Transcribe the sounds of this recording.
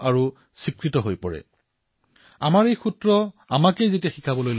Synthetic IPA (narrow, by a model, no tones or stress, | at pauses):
aɹu | sikɹitɔɦojpɔɹɛ̰ | amaɹejxutɹɔamakejzetiaxikʰabɔlojl